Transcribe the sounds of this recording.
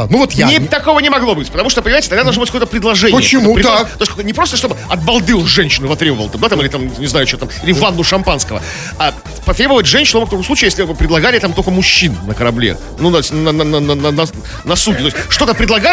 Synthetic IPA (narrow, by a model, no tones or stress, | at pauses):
nuvot̪janʲɪt̪ɐko̞vənʲɪmɐɡlˠo̞bɨtʲpət̪ɐmuʂt̪oəpənɪmajɪtʲɪt̪ɐɡd̪ad̪lˠʐnobɨt̚ʲkoət̪əpɾʲɪd̪lˠɐʐɛnpəɪjt͡ɕɪmupɾɪd̪t̪oskknʲɪpɾo̞st̪əʂt̪o̞bɨɐt̪̚bɐlˠd̪ɨonʐɛnʲɕːɪnɨvɐt̪ɾʲebəvəlˠt̪amd̪at̪amɨilʲɪt̪amnʲɪznajʊt͡ɕot̪amilʲɪvanːʊʂɐmpanskəvə̰ | a | pɐt̪ɾʲebəvətʲʐɛnʲɕːɪnʊmok̚t̪ɐkojsˠut͡ɕɪjesʲlʲɪpɾʲɪd̪ˠɐɡalʲɪət̪amt̪okəmʊɕːinːəkəɾɐblʲḛ | nut̪osʲtʲnnnnənənnɐ | nɐsuɡʲɪt̪oɪsʲʂt̪o̞t̪əpɾʲɪd̪lˠɐɡa